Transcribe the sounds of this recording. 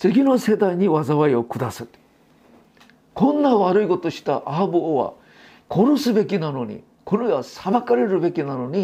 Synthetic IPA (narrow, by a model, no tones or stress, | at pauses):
t͡sɨɡʲino̞se̞d̪aiɲ̟iβazaβaio̞kɯ̟d̪asɨ | kʰõ̞nːaβaɾɯiko̞t̪o̞ɕi̥t̪aʔaːbɯoβa̰ | ko̞ɾo̞sɨbe̞kʲinano̞ɲ̟ḭ | kʰoɾɯiβasabakaɾe̞ɾɯ̟be̞kʲinano̞ɲ̟i